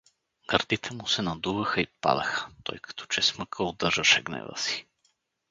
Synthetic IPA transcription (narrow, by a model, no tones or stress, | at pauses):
ɡ̥ɐɾd̪it̪ʰɛmusɛnɐd̪uvɐxəipa̰d̪ɐxə̥t̪ɔ̰jkɐ̥t̪ʰɔ̥t͡ʃɛsməkʰəod̪əɾʒəʃɛɡnɛ̰və̰si̥